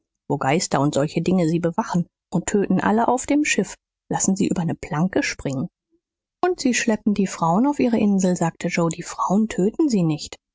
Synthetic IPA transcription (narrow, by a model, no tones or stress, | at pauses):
voːɡaɪstɐʊntz̥ɔlçədɪŋəziːbəvaχn̩ | ʔʊntʰøːtn̩ʔa̰ləʔaʊfd̥eːmʃɪf | lasn̩ziːʔyːbɐnəpʰl̥aŋkəʃpʁ̥ɪŋən | ʔʊntz̥iːʃlɛp̚n̩diːfʁ̥aʊənaʊfʔiːʁ̞əʔɪnzl̩zaːk̚tʰəd͡ʒoʊdiːfʁ̥aʊəntʰøːtn̩ziːnɪçt